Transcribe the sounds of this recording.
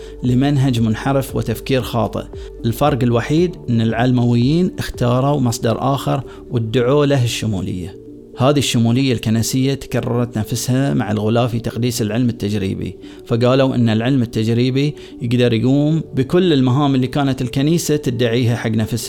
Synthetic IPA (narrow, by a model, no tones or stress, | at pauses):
lɪmanɦad͡ʒmʊnħɑɾˤɪfwɪ̰t̪afkiːɾxɑ̰ːt̪ˤɨ̰ʔ | ʔɪlfɑɾˤɡɪlwaħiːd̪ʔɪnːɪlʕalmawɪjːiːnʔɪxt̪ɑːɾˤuwmɑsˤd̪ɑɾˤʔaːxɪɾˤ | wɪd̪ːʊʕolaɦaʃːʊmṵːlɪ̰jːa̰ | haːðiʃːʊmuːlɪjːalkanasɪjːat̪kɑrˤːɑ̰ɾˤɑt̪nafshamaʕalɣʊlaːfit̪ɑqd̪iːsɪlʕɪlmɪt̪ːad͡ʒɾḭːbḭ | faɡaːlawʔɪ̰nːalʕɪlmɪt̪ːad͡ʒɾiːbi | jɪɡd̪ɑɾˤjɡuːmbɪkʊlːɪlmaɦaːmɪlːikaːnat̪ɪlkaniːsat̪ɪd̪ːaʕiːɦaħaɡːnafsh